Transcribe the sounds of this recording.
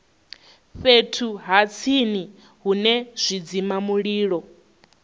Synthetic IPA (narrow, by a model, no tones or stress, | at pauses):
ɸetʰuɦat͡sʰini | ɦunɛz̥ʷid͡zimamuɺiːɺɔ